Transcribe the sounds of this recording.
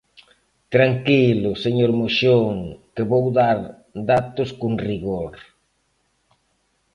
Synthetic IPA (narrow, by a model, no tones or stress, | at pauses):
t̪ɾaŋkilʊseɲoɾmoʃoŋkɪβowðaɾ | d̪at̪ʊskoŋriɣoɾ